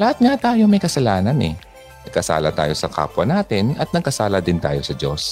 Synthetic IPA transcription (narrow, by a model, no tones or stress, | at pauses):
lɐhat̪̚ŋat̪aːjo̞mɐjkɐsɐlaːnɐnɛ̰ | nɐɡ̚kɐsa̰ːlɐ̰t̪a̰ːjo̞sɐkʰa̰ːpwɐnaːt̪ɪnɐt̪̚nɐɡ̚kɐsaːlɐd̪ɪnt̪aːjo̞sɐd͡ʒo̞s